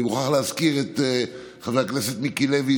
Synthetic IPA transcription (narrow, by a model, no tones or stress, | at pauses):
muχaχlehazkiʁet̪e | χavakneset̪mikilevi